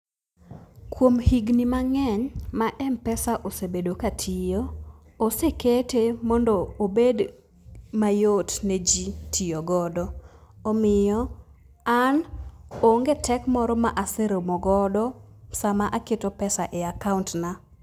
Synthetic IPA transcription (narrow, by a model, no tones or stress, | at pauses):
kwomhiɡnimaŋɛɲmaʔɛmpɛsaʔosebedokatʰijo | oseketemɔndɔːbed | majotned͡ʒitʰijoɡɔdɔomɪjɔ | anoŋɡetɛkmɔɾɔmaʔasɛɾomɔɡɔdɔ | samaʔaketɔpɛsaʔeakauntna